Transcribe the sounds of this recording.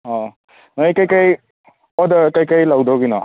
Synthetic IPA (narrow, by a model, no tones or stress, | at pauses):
ɔ | nɔjkajkaj | ɔdakajkajlawdɔɡinɔ̰